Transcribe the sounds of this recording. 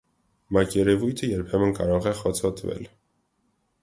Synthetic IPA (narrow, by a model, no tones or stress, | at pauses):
mɑkjɛɾɛvujt̪ʰəjɛɾpʰɛmənkɑɾɔʁɛχɔt͡sʰɔt̪ʰvɛ̰l